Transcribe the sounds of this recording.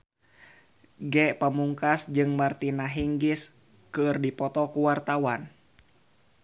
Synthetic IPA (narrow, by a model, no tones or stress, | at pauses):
ɡɛpəmuŋkasd͡ʒɨŋmart̪inaɦiŋɡis | kɨrdipɔt̪ɔkuwart̪awan